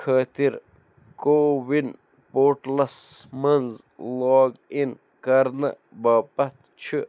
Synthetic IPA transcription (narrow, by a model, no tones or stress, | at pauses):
kʰaːt̪iɾ | kowin | poːɾʈlɐsmɐnz | lɔːɡin | kɐɾnɐ̰ | baːpɐt̪ | t͡ʃʰu